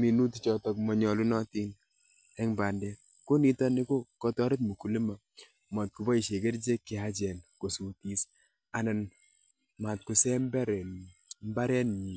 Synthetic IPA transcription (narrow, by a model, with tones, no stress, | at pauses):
mi˨nu˦tt͡ʃɔ˨tɔ˦kmɔ˨ɲɔ˨lu˦nɔ˦ti˦n | ɛ˦ŋba˨ndɛ˦ | ko˦ni˦tɔ˦nɪ˦ko˦kɔ˨tɔ˦ɾɪ˦t̬̚mu˨ku˨li˦ma˨ | ma˨t̚ku˨bɔ˦i˨ʃe˨ɡe˦ɾd͡ʒe˦kːɪ˨a˦d͡ʒɛ˨nko˨su˨ti˦s | a˨nɛ˨n | ma˨t̚ku˨sɛ˦m˦bɛ˦ɾɛ˨m˦ba˦ɾɛ˦nɲi˨